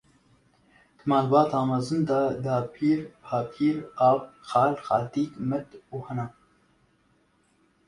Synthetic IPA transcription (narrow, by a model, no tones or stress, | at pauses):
d̪̥ɨmaːlbaːt̪ɑːmɐzɨnd̪ɑd̪aːpʰiːɾpʰaːpʰiːɾaːxɑːlxɑːt̪iːkmɛt̪uːhɛna